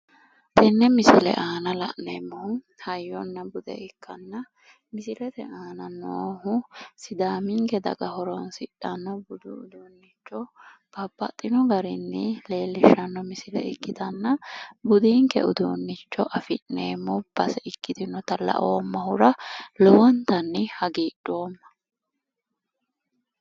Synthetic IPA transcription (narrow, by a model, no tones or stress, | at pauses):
t̪ʰɛnːɛmɪsɪlɛ̰ʔaːnɐlɐ̰ʔnemːɔhʊ | hɐjːɔnːɐbʊd̪ɛ̰ɪkʰːɐnːɐ | mɪsɪlɛt̪ɛ̰aːnɐnohʊsɪd̪aːmiŋkɛd̪ɐ̰ɡɐhɔɾɔnsɪᶑɐnːɐbʊd̪uʊd̪uːnːɪt͡ʃːɔb̥ɐbːɐ̰t̪ʼːɪnɔɡɐɾɪnːɪle̞ːlːɪʃɐnːɔmɪsɪlɛ̰ɪkːɪt̪ɐnːɐbʊd̪iːŋkɛ̰ʊd̪uːnːɪt͡ʃːɔʔɐfɪʔnḛːmːɔb̥ɐsɛɪkːɪt̪ɪnɔt̪ɐlɐ̰ʔoːmːɐhʊɾɐlɔwɔnt̪ɐnːɪhɐɡiːɗoːmːɐ̥